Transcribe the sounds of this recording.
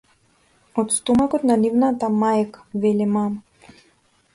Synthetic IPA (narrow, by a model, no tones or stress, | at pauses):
ɔt̪st̪ɔmakɔt̪nanivnat̪amajakḁvɛlimam